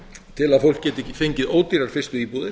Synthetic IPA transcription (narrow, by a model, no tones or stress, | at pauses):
t̪ʰɪlaðfowl̥kcɛːt̪ɪfejɲcɪðoːwt̪iɾaɾ̥fɪst̪ʏiːpuðɪ